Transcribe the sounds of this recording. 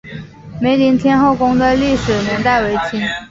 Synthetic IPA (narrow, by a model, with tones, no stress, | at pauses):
me˧˥ɪli˧˥ŋt̪ʰjɛ˥nxo˥˩ʊkʊ˥ŋd̪ə˨li˥˩ʂɻ̩˨˩njɛ˧˥nt̪a˥˩ɪwe˧˥ɪt͡ɕʰi˥n